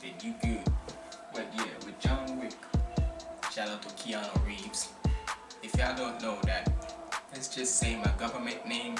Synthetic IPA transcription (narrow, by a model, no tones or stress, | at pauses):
ðɨdɨɡʉd | bʌt̚jæwɨðd͡ʒɑ̃nwɪk | ʃæɾotəkʰiɑnoɹivz̥ | ɨfjaɪdõʊ̃nːoʊðæt̚ðɨtsd̥ʒ̥ʌstseɪmaɪɡʌvə˞mɨ̃nnẽɪ̃m